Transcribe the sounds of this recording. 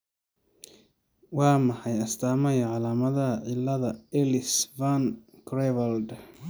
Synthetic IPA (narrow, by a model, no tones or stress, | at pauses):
wɑːmɐħɑjɐst̪ʰaːmɐjɐʕɑlaːmɐðɐɦɐʕɪlːɐðɐɛlɪsvankrɛβɐld̪